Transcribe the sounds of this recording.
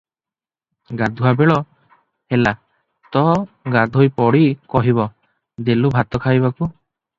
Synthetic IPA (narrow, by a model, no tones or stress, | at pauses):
ɡad̪ʱuɦabeɭɔ | hela | t̪ɔɡad̪ʱojpɔɽikɔɦiβɔ | d̪elubʱat̪ɔkʰajβaku